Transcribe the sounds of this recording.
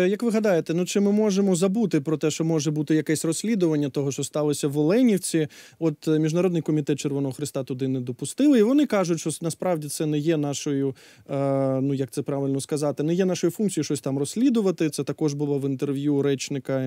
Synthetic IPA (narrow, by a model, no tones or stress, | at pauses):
jɐkʋɪɦɐd̪ɑjet̪ɛnut͡ʃɪmɪmɔʒemɔzɐbut̪ɪpɾɔt̪ɛʃt͡ʃɔmɔʒɛbut̪ɪjɐkɛsʲrɔsʲlʲid̪ʊʋɐnʲːɐt̪ɔɦɔʃt͡ʃɔst̪ɑlˠɔsʲɐʋɔlˠɛnʲiwt͡sʲiɔt̪mʲiʒnɐɾɔd̪nɪjkɔmʲit̪ɛt̪̚t͡ʃerʋɔnɔɦɔxɾɪst̪ɑt̪ʊd̪ɪnɛd̪ɔpʊst̪ɪlˠɪiʋɔnɪkɑʒʊtʲʃt͡ʃɔsnɐspɾɑʋdʲit̪sɛnɛjɛnɑʃɔjʊ | nujɐk̚t̪sɛpɾɑʋʲɪlʲnɔskɐzɑt̪ɪnɛjɛnɑʃɔjʊfunk̪ʲt͡sʲijʊʃt͡ʃɔsʲt̪ɑmrɔsʲlʲid̪ʊʋɐt̪ɪt̪sɛt̪ɐkɔʒbʊlˠɔʋɪnt̪erʋʲjuɾɛt͡ʃnɪkɐ